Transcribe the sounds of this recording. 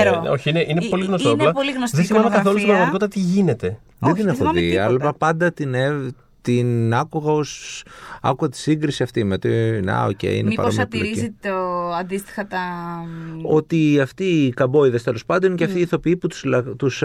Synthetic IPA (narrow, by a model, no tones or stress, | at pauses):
ɾooçiineʔinepo̞liɣnost̪onllɐpoliɣnosðesimnɐmekɐθo̞lusiɾɐɣmɐt̪ko̞t̪it̪ɐt̪iʝine̞t̪e̞ | ðend̪inexoðiɐlɐpɐnd̪ɐt̪ine | t̪inɐkuɣɐo̞s | ɐ̰kuɣɐt̪i̥siŋɡɾisiɐft̪imeot̪inɐ̰o̰cḛjḭnepɐ̰omlo̰iiioɐnd̪ist̪i̥xɐt̪ɐ | o̞t̪iɐft̪iːkɐbo̞iðɐst̪e̞lo̞spɐnd̪onceɐft̪iːθo̞piiput̪u̥slt̪us